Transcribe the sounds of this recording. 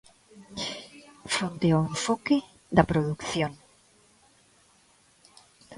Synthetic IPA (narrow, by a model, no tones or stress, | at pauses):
fɾont̪eawẽɱfoke | ðɐpɾoðukθjoŋ